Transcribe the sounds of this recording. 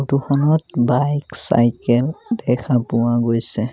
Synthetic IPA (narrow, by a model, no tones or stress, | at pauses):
tuxʰɔnɔtbajksa̰jkɛldɛkʰapʊwaɡojsɛ